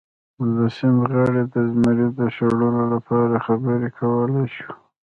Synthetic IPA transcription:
mʊzd̪asɪnɣɑɽed̪əzmaɾid̪əʃaɽulolapɑɾaxabəɾekʰawəlajʃu̥

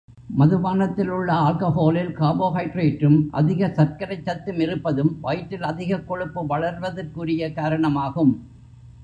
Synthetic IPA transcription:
mɐðɯʋaːnɐt̪ːɪlɯɭːɐaːlkɐhoːlɪlkaːboːɣɐɪʈreːʈrɯmʔɐ̰ðɪɣɐsɐɾkɐɾɐɪt͡ʃːɐt̪ːɯmɪɾɯpːɐðɯmʋɐjʈːɪlɐðɪɣɐkːɔɻɯpːɯʋɐɭɐɾʋɐðɐrkuːɾɪjɐkaːɾɐɳɐmaːɣɯm

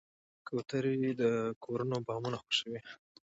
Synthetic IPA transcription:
kʰot̪aɾd̪əkʰoɾunobɑmunaxwoʃəwi

